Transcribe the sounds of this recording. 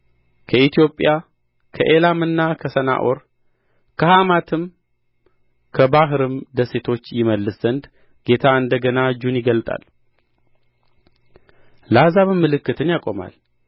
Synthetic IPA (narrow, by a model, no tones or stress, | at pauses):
kʰəʔit̪ijo̞pʼːja | kʰəʔe̞lamɨnːakʰəsəna̰ʔo̞ɾ | kʰəhamat̪ʰɨm | kʰəbaɦɨɾɨmd̪əse̞t̪ʰo̞t͡ʃːjɪməlːɨszənd̪ | ɡ̥e̞t̪ʰaɨnd̪əɡənad͡ʒunjɪɡəlt̪ʼa̰l | lazaβɨmːɨlɨkːɨt̪ʰɨnjakʼo̞ma̰l